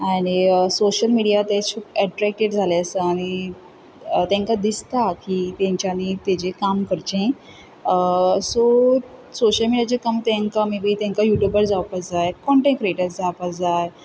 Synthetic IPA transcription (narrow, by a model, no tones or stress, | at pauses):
aɽ̃isoɕəlmiɽijat̪et͡ɕʰuːpɛʈɾɛk̚ʈeɽd͡zʱaleəsəaɽ̃i | t̪ɛ̃ŋkad̪ist̪akit̪ẽɲt͡ɕanit̪ed͡ʑekamkəɾt͡ɕẽ | sosoɕəlmiɽijat͡ɕekəmt̪ẽŋkamibit̪ẽŋkajuʈjubəɾd͡zaʋpəd͡zajkɔɳʈẽkɾieʈəɾsd͡zaʋpəd͡zaj